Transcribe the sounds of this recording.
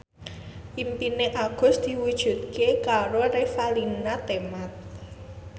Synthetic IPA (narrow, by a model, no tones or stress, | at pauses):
ʔimpineʔaɡ̥ʊ̤sd̪̥i̤wud̥ʒ̥ṳt̪̚kekaɾoɾefalinat̪emat̪̚